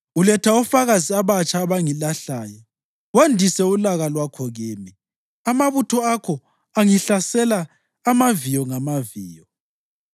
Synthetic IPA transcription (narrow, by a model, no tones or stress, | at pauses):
ulɛtʰaɔfaɣaziaβat͡ʃʼaːβaŋilaɬaːjɔ | wandʱisɛulaɣalwakʰɔɣeːmi | amaβutʰɔakʰɔ | aŋiɬasɛlaː | mavijɔŋamaviːjɔ